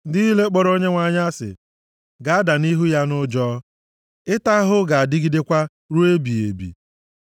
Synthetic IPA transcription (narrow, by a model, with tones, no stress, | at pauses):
n̩˦dɪ˦i˦le˦k͡pɔ˦ɾo˦ɲe˦ŋʷa˨ɲa˦a˦sɪ̰˨ | ɡa˨a˦da˨ni˦ɦu˦ja˦nʊ˦d͡ʒɔː˦ | ɪ˦ta˦ɦʊ˦ɡa˨a˨dɪ˦ɡi˦de˦kʷa˦ | ɾu˦e˦bi˨ḛ˨bḭ˨